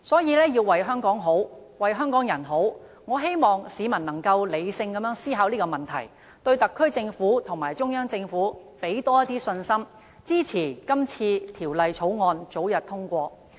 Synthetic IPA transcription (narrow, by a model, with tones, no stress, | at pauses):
sɔː˨˥jiː˨˧lɛː˥ji˧wwɐ˨jɦœː˥ŋkɔː˨˥ŋɦo˨˥wwɐ˨jɦœː˥ŋkɔː˨˥ŋjɐ˨˩nɦo˨˥w | ŋɔː˨˧ɦe˥jmɔː˨ŋsiː˨˧mɐ˨˩nɐ˨˩ŋkɐ˧wle˨˧jsɪ˧ŋkɐ˨˧mjœː˨˥ŋsiː˥ɦaː˨˧wliː˥kɔː˧mɐ˨nt̪ʰɐ̰˨˩j | t̪ɵ˧ɥt̪ɐ˨kʰːɵ˥ɥt͡sɪ˧ŋfuː˨˥t̪ʰʊ˨˩ŋmaː˨˩jt͡ʃʊ˥ŋjœː˥ŋt͡sɪ˧ŋfuː˨˥ | pe˨˥jt̪ɔː˥jɐ˥t̪ːiː˥sɵ˧nsɐ˥m | t͡siː˥t͡sʰiː˨˩kɐ˥mt͡sʰiː˧t̪ʰiː˨˩wlɐ˨˧jt͡sʰo˨˥wŋɔː˧nt͡so˨˥wjɐ˨t̚t̪ʰʊ˥ŋkʷɔː˧